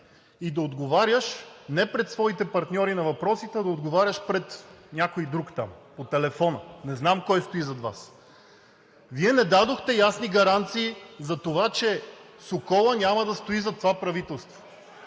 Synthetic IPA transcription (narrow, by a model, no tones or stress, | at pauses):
id̪ɐod̪ɡovaɾjəʃnɛpɾɛt̪svɔit̪ɛpɐɾt̪nʲɔɾinɐvɐpɾɔsit̪ɛd̪ɐod̪ɡovaɾʲəʃpɾɛt̪nʲakoid̪ɾukt̪a̰mpot̪ɛlɛfɔnənɛznamkɔjst̪oizɐd̪va̰s | viɛnɛd̪ad̪oxt̪ɛjasniɡɐɾant̪siːzɐt̪ovat͡ʃɛ | sokɔlˠənʲamɐd̪ɐst̪oizɐt̪ːovapɾɐvit̪ɛlˠst̪vo̥